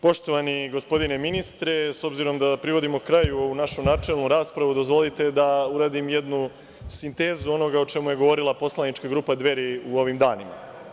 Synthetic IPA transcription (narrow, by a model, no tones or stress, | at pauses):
po̞ʃt̪o̞ʋaniɡo̞spo̞d̪ine̞minist̪ɾe̞so̞bziɾo̞md̪apɾiʋo̞d̪imo̞kɾajuo̞ʋunaʃunaːt͡ʃe̞lˠnuɾaːspɾaʋud̪o̞zʋo̞lit̪e̞d̪auɾaːd̪imje̞d̪nu | sint̪e̞ːzuo̞no̞ɡaot͡ʃe̞muje̞ɡo̞ʋo̞ɾilˠapo̞slˠanit͡ʃkaɡɾuːpad̪ʋe̞ɾiuo̞ʋimd̪aːnima̰